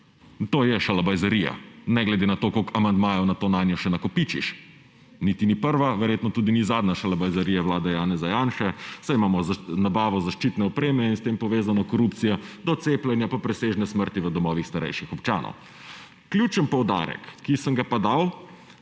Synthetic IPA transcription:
t̪oːjɛʃalabajzaɾija̰nɛɡlɛd̪enat̪okokamand̪maːjɔnat̪oːnaːnjɔʃɛnakɔpit͡ʃiʃ | nit̪inipəɾʋaʋɛɾjet̪nɔt̪uːd̪inizaːd̪naʃalabajzaɾijaʋwlaːd̪ajaːnɛzajanʃɛsajimaːmɔznabaːʋɔzaʃt͡ʃit̪nɛɔpɾeːmɛinst̪empɔʋeːzanɔkɔɾupt̪sijɔd̪ɔt̪seːplʲɛnjapapɾɛseːʒnɛsməɾt̪iʋəd̪ɔmɔʋixst̪aɾɛ̰jʃixɔpt͡ʃaːnɔ̰w | klʲjut͡ʃənpɔwd̪a̰ːɾɛ̰kːisəŋɡapad̪aw

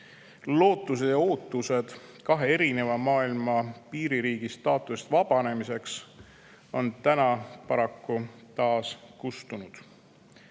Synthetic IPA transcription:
lo̞ːt̪ːˑus̬e̞d̪̥jɑo̞ːt̪ːˑuse̞d̪̥kɑɦe̞e̞ɾine̞vɑmɑːilmɑpiːɾiɾiːɡ̥ist̪ɑːt̪ːˑust̪vɑb̥ɑne̞mise̞ks | o̞nt̪ænɑpɑɾɑkːut̪ɑːskust̪unud̪̥

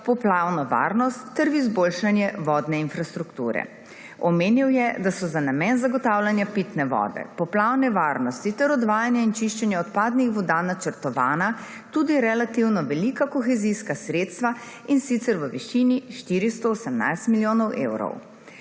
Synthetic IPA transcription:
pɔplawnɔʋa̰ɾnɔst̪ːɛɾʋizbolʃanjɛʋɔːd̪nɛinfɾast̪ɾukt̪ṵːɾɛ̰ | ɔmeːniwjɛd̪asɔzanamɛnzaɡɔt̪aːwlanjapit̪nɛʋɔ̰d̪ɛ̰pɔplawnɛʋaɾnɔst̪it̪ɛɾɔd̪ʋaːjanjaint͡ʃiʃt͡ʃɛnjɛɔt̪paːd̪nixʋɔd̪anat͡ʃəɾt̪ɔʋaːna | t̪ud̪iɾɛlat̪iwnɔʋɛlikakɔxɛziskasɾet̪st̪ʋa | insit̪sɛɾʋəʋiʃiniʃt̪iːɾist̪ɔosɛmna̰jst̪miljoːnɔwʔḛwɾɔ̰w

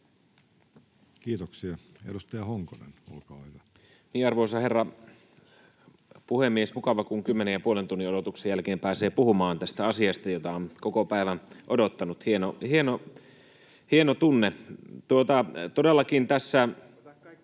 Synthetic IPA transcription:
kiːt̪oksie | ḛdust̪ɑjɑhoŋkonḛno̰lkɑːhyʋæ | miːɑrʋoisɑherːɑ | puhemːiesmukɑʋɑkuŋkymːenejjɑpuolent̪unːiodot̪uksejælkeːmpæːseːpuhumɑːnt̪æst̪æɑsiɑst̪ɑjot̪ɑonkokopæˑiʋænʔodot̪ːɑnut̪hienohieno | hienot̪unːet̪uot̪ɑt̪odelːɑkint̪æsːæ

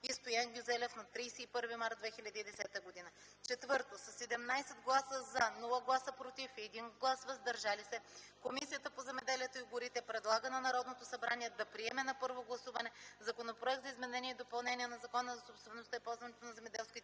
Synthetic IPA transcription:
ist̪ojaŋɡʲuzɛlʲɛfnɐt̪ɾijsɛipɤɾvimaɾd̪d̪vɛxilʲɐd̪iːd̪ɛsɛt̪əɡod̪inə | t͡ʃɛt̪vɤɾt̪osɐsːɛd̪ɛmnajsɛd̪ɡlˠasəzɐnulˠəɡlˠasəpɾot̪ifɛd̪inɡlˠasvɐzd̪ɐɾʒalisɛkomisijət̪əpozɛmɛd̪ɛliɛt̪oiɡʊɾit̪ɛpɾɛd̪lˠaɡənɐnɐɾɔd̪not̪osɐbɾaniɛd̪ɐpɾiɛmɛnɐpɤɾvoɡlˠɐsuvɐnɛzɐkonopɾoɛk̚t̪zɐizmɛnɛniɛid̪opɐlˠnɛniɛnɐzɐkɔnəzɐsopst̪vɛnːost̪ɐipɔlˠzvɐnɛt̪onɐzɛmɛd̪ɛlˠskʲit̪

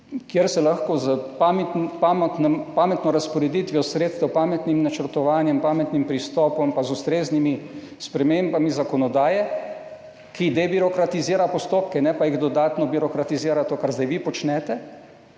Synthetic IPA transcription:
kjeɾsɛlaxkɔzəpampamt̪nɛmpaːmɛt̪nɔɾaspɔɾɛd̪iːt̪ʋjɔsɾeːt̪st̪ɛwpaːmɛt̪nimnat͡ʃəɾt̪ɔʋaːnjɛmpaːmɛt̪nimpɾist̪ɔːpɔmpazust̪ɾeːznimi | spɾɛmeːmbamizakɔnɔd̪aːjɛ | kid̪ɛbiɾɔkɾat̪iziːɾapɔst̪oːpkɛnɛpajiɣd̪ɔd̪aːt̪nɔbiɾɔkɾat̪iziːɾat̪oːkaɾzd̪ajʋipɔt͡ʃnɛt̪ɛ

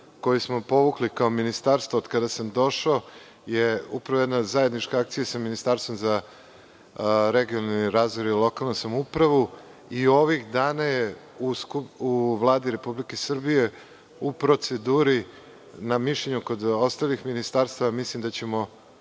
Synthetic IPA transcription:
ko̞jusmopo̞ʋuklikaominist̪aɾst̪vood̪kad̪asamd̪o̞ʃao | jeupɾaʋo̞jed̪nazaje̞d̪nit͡ʃkaak̚t̪sijasaminist̪aːɾst̪o̞mza | ɾeɡijonaalniɾaːzʋoɾilˠo̞kalˠnosamupɾaʋu | io̞ʋixd̪aːnaje | uskuuʋlˠaːd̪iɾe̞publike̞sr̩bije̞ | upɾo̞t̪se̞d̪uːɾi | namiʃʎeɲuko̞d̪o̞st̪alixminist̪aːɾst̪aʋamislimd̪at͡ɕe̞mo̞

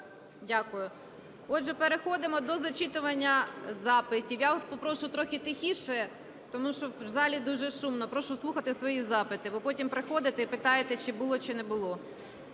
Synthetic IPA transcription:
dʲakʊjʊ | ɔd̪ʒɛpeɾexɔd̪ɪmɔd̪ɔzɐt͡ʃit̪ʊʋɐnʲːɐzɑpɪtʲiwjaʋspɔpɾɔʃʊt̪ɾɔxʲɪt̪ɪxʲiʃɛ | t̪ɔmuʃt͡ʃɔzɑlʲid̪uʒɛʃumnɔpɾɔʃʊsˠuxɐt̪ɪsʋɔjizɑpɪt̪ɪbɔpɔtʲimpɾexɔd̪ɪt̪ɛipɪt̪ɑjet̪ɛt͡ʃɪbʊlˠɔt͡ʃɪnɛbʊlˠɔ

